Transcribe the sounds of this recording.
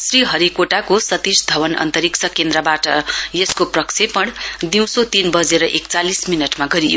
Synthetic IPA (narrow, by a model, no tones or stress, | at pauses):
sriɦʌɾikoʈakosʌt̪isd̪ʱʌwʌnʌ̰nt̪ʌɾiksʰʌkend̪ɾʌbaʈʌjeskoprʌksʰepʌɽd̪iw̃sot̪inbʌd͡zeɾʌʔekt͡salisminʌʈmaɡʌɾijo